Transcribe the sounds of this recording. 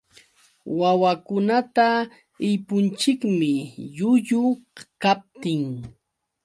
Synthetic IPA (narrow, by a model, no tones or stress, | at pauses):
wawakʊnat̪a | ɪjpʊnt͡ʃɪkmɪʎʊʎʊkap̚t̪ɪŋ